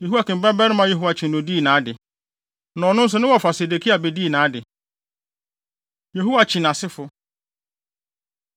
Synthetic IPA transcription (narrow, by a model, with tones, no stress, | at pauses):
je˨ɦu˦a˨kɪ̃˨m˨ba˦bɛ˦ɾɪ˦mã˦je˦ɦu˦wa˨t͡ɕʰĩ˨n˨õ˨di˦˨nãː˨˦dɪ˨ | nɔ̃ː˨˦nʊ̃˦n̩˦s̬ʊ˨˦nɪ̃˦wɔ˨fa˨se˨de˨kʰi˦a˨be˨di˦˨nãː˨˦dɪ˨ | je˨ɦu˦wa˨t͡ɕʰĩ˨n˨a˨sɪ˦fʊ˨